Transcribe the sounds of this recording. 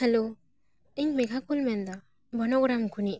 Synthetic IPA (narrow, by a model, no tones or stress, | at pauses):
halo | iŋmiɡʰʱakulmɛnd̪a | bɔnɔɡɾamkuni